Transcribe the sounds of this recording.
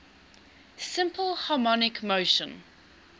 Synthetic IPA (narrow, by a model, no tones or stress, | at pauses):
sɪ̃mpʰəlˠhɑmɔnɪkmoʊʃə̃n